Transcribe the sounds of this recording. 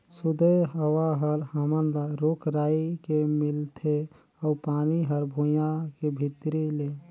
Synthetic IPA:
sud̪ʱəjɦəwaɦəɾɦəmənlaɾokɾaikemilt̪ʰe | ɔʊpaniɦəɾbʱujakebʱit̪ɾile

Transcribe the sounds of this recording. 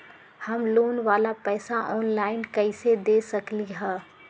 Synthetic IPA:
hɐmloːnʋaːlapɛːsaʔɔːnlaːɪnkɐɪsed̪eːsɐkliɦɛ̃ː

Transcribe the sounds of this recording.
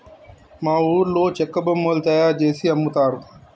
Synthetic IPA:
mãːuːɾloːt͡ʃekəbəmːoːlt̪aːjaːd͡ʒeːsiːəmũːt̪aːɾu

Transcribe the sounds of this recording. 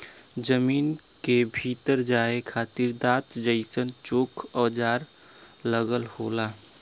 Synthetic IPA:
d͡ʒəmiːn | kebʱiːt̪əɾd͡ʒaːekʰaːt̪ɪɾd̪aːt̪d͡ʒəɪsənt͡ʃoːkʰɔːd͡ʒaːɾ | ləɣəlhoːlaː

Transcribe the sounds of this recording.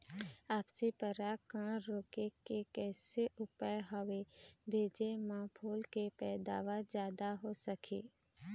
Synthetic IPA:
aːpsepəɾakãːɽ̃ɾoːkekekɛːseʔʊpəjɦəʋebʱeːd͡ʒemãːpʰoːlkepɛːd̪a̰ːʋad͡ʒjaːd̪aɦosəkʰiː

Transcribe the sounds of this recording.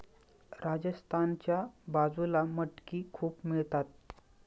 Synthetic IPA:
ɾad͡ʑəst̪ʰant͡ɕjabad͡zulaməʈkiːkʰuːpmiɭt̪at̪̚

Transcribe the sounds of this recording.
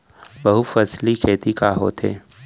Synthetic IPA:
bɐɦufɐslikʰeːt̪ikaɦo̰ːt̪ɦḛː

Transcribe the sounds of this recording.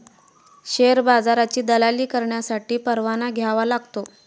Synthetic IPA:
ɕeɾbad͡zaɾat͡ɕiːd̪əlaliːkəɾɳjasaʈiːpəɾʋanaɡʱjaʋalaɡt̪o

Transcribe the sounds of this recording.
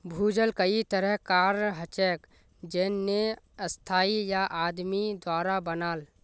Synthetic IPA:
bʱuːd͡ʒəlkəit̪əɾəɦkaːɾɦət͡ʃɛːk | d͡ʒeːnːe | əst̪ʰaːijaʔaːd̪mid̪waːɾabənaːl

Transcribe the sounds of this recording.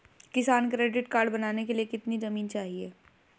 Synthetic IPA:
kɪsaːnkɾeːɖɪʈkaːɾɖbɐnaːnekelijekɪt̪nizɐmiːnt͡ʃaːɦieː

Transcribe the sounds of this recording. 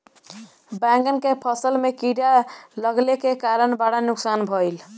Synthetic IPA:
bãŋɡənkepʰəsəlmekiɾjaləɡlekekaɾənbaɽanuksanbʱɔjl

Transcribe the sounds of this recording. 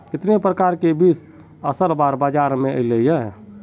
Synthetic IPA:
kɪt̪nepɾəkaɾkebis | əsəɾbaɾbad͡ʒaɾmeə̰lejɛ

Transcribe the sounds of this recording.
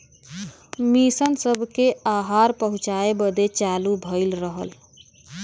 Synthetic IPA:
misənsəbʱkeaɦaɾpəɦũt͡ʃaebəd̪et͡ʃalubʱəɪlɾəɦəl

